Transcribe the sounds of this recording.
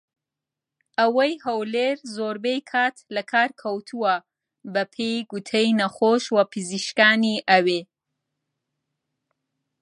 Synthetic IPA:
ʔɐwɐjhɐwleɾzoɾbejkʰaːt̪lɐkʰaːɾkʰɐwt̪ʰuwɐ | bɐpʰejɡut̪ʰejnɐχoʃwɐpʰɨziʃkaːniʔɐwe

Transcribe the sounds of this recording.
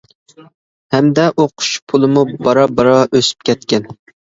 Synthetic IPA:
hɛmd̪ɛʔoqʰʊ̥ʃpʰulˠɨmubɑɾɑbɑɾɑʔøsy̥p̚kʲɛt̪̚kʲɛn

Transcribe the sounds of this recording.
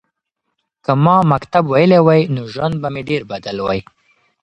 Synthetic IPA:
kəmɑmakt̪abwajəlewajnoʒwand̪̚bameɖeɾbad̪alwaj

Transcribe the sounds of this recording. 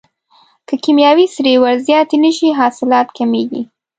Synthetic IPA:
kəkimjɑwisɾewaɾzjɑt̪enəʃiɦɑsɪlɑt̪kʰameɡḭ

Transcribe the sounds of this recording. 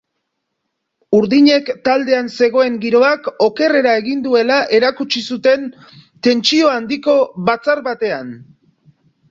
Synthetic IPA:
uɾðiɲe̞kt̪ald̪e̞anse̞ɣ̞o̞e̞ŋɡiɾo̞ako̞ke̞re̞ɾae̞ɣind̪ue̞laʔe̞ɾakut͡ʃisut̪e̞n | t̪e̞nt͡ʃio̞and̪iko̞βat͡saɾβat̪e̞an

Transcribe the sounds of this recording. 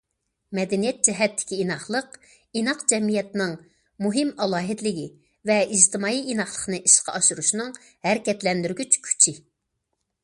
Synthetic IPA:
mɛd̪ɛnijɛt̪̚d͡ʒɛɦɛt̪ːɪ̥kʲʰiːnɑχlˠəq | inɑqd͡ʒɛmijɛt̪nɨŋ | muɦɪmɑlˠɑːɦɪt̪lɪɡʲi | vɛid͡ʒt̪ʰɨmɑːjiʔinɑχlˠə̥χnɨʔiʃqɑ̰ɑʃuɾuʃnɨŋ | hæɾɪkʲɛt̪lɛnd̪yɾɡʲyt͡ʃkʲʰy̥t͡ʃʰɪ

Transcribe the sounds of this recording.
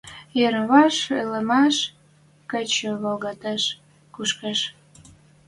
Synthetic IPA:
jeɾβɑʃeləmɑʃ | kət͡ɕəβolɣɑt̪ɑʃ | kuʃkɑʃ

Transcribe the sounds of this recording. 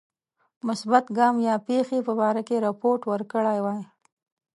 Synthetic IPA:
mʊsbat̪ɡɑmjɑpexepəbɑɾakeɾapoɾʈwəɾkəɽajwɑj

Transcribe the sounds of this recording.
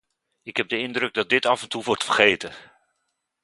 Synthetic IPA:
ɪkɦɛb̚dəɪndrɵɡ̚dɑt̚dɪtɑvɛntuʋɔɹtfərχejtən

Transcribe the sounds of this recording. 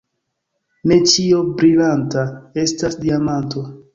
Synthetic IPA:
ne̞t͡ʃio̞bɾilantae̞stasdiamanto̞

